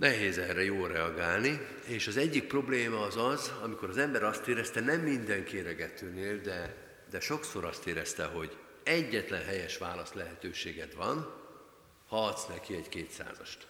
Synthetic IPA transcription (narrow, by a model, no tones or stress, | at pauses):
nɛɦeːzɛrːɛjoːlrɛɒɡaːlni | eːʃɒzɛɟːik̚pro̞bleːmɒːzɒzɒmiko̞ɾɒzɛmbɛɾɒst̪eːɾɛst̪ɛnɛmːind̪ɛŋkeːɾɛɡɛt̪ʰøːneːld̪ɛ | d̪ɛʃo̞ksoɾɒst̪eːɾɛst̪ɛɦo̞ɟ | ɛɟːɛt̪lɛnɦɛjɛʃʋaːlɒst̪lɛɦɛt̪øːʃeːɡɛd̪ʋɒ̰n | hɒːt̪snɛkiɛɟkeːt̪sa̰ːzɒʃt̪